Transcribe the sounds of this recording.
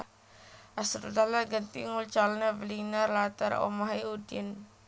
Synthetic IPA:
asɾud̪alaɡənt̪ḭŋult͡ʃalnevəlinarlat̪a̰ɾo̰maɦiudin

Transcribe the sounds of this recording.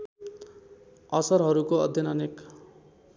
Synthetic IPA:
ʌsʌɾɦʌɾukoʌ̰d̪ʱjʌnʌnek

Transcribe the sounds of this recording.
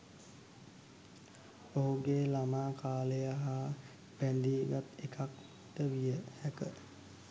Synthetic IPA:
oɦuɡeːlamaːkaːləjaɦa | b̥ɛnd̪iːɡat̪ekʰak̚ | t̪əʋijəhɛkə

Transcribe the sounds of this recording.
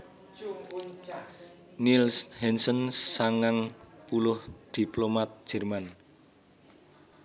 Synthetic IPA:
nilshɛnsənsaŋaŋ | pulʊhd̪̥iplomat̪̚ʒ̥ɛ̤rman

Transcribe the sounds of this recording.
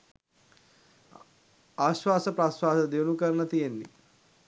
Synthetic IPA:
aːɕwaːsəpɾaːsʋaːsəd̪eʋunukəɾnət̪ijenːḭ

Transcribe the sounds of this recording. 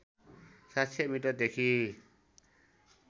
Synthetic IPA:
sat̪sʰemiʈʌd̪ekʰi

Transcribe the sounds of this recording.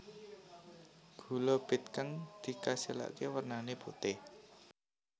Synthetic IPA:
ɡ̥ṳlɔb̥ɪ̤t̪̚kaŋd̪̥i̤kasila̰ʔkewərnaneput̪ɪh

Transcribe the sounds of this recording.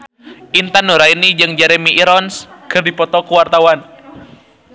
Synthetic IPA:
ʔint̪anuɾainid͡ʒɨŋd͡ʒɛɾemiʔiɾɔnskɨrdipɔt̪ɔkuwart̪awan

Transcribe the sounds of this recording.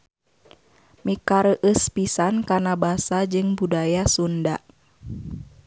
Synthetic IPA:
mikaɾəʔəspisankanabasad͡ʒɨŋbudajasundaʔ

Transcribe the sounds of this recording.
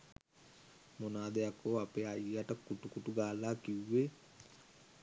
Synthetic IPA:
monaːd̪ejakoːapeːajaʈəkuʈukuʈuɡaːlaːkiwʋːe

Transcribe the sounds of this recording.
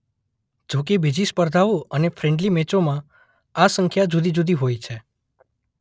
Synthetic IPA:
d͡ʒok̬ebid͡ʒispəɾd̪ʱaʋoənefɾɛ̃ɳɖlimɛt͡ʃomã | asə̃ŋkʰjad͡ʒud̪id͡ʒud̪iɦojt͡ʃʰe

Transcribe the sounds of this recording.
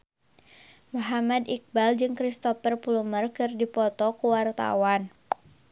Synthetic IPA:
muɦamadik̚bald͡ʒɨŋkɾist̪ɔfərpulumərkɨrdipɔt̪ɔkuwart̪a̰wan

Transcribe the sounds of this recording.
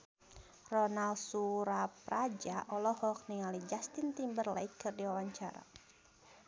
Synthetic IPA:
rɔnalsuɾapɾad͡ʒaʔɔlɔhɔk̚niŋalid͡ʒast̪int̪imbərlajkɨrdiwawaɲt͡ʃaɾa̰

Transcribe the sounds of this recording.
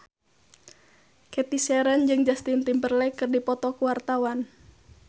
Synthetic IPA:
kɛt̪isɛɾənd͡ʒɨŋd͡ʒast̪int̪impərlɛkɨrdipɔt̪ɔkuwart̪awan

